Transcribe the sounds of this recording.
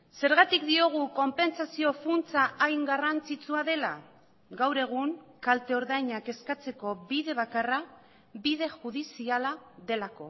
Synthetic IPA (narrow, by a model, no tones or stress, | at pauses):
se̞ɾɣ̞at̪ikd̪io̞ɣ̞uko̞mpe̞nsasio̞funt͡saʔajŋɡarant͡sit͡suaðe̞la̰ | ɡawɾe̞ɣ̞uŋkalt̪e̞o̞ɾðajɲake̞skat͡se̞ko̞βiðe̞β̞akara | bið̞e̞ʝuðisialaðe̞lako̞